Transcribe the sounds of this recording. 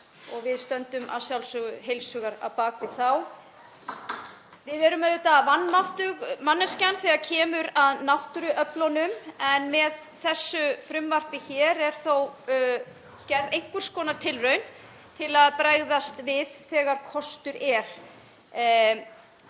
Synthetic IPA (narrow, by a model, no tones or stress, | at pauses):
ɔɣvɪðst̪œnt̪ʏma̰ðsjawlsʏɣʏɦejlsʏːɣaɾa̰wpaːkvɪðθaw | vɪðɛɾʏmɛðʏt̪avanːmawht̪ʏɣmanːɛscanθɛɣacʰɛːmʏɾaðnawht̪ʏɾʏʔœplɔnʏmɛnmɛðθɛsːʏfɾʏmvar̥pɪçɛːɾɛɾ̥θow | cɛɾvejŋ̥kʏɾ̥skɔːnaɾ̥t̪ʰɪlrœɥn | t̪ʰɪlaðpɾaːjðast̪vɪðθɛːɣaɾ̥kʰɔst̪ʏɾɛɾ̥